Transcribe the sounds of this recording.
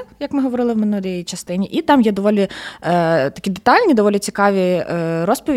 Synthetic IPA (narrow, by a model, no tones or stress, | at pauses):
jɐkmɪɦɔʋɔɾɪlˠɪwmenuɾʲijjit͡ʃɐst̪ɪnʲiʔit̪ɑmjɛd̪ɔʋɔlʲi | t̪ɐ̥kʲid̪et̪ɑlʲnʲid̪ɔʋɔlʲit͡sʲi̥kɑʋʲiɾɔspɔʋʲ